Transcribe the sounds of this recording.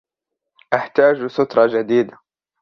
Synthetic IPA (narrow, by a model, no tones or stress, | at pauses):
ʔaħt̪aːd͡ʒsʊt̪ɾˤɑd͡ʒad̪iːd̪a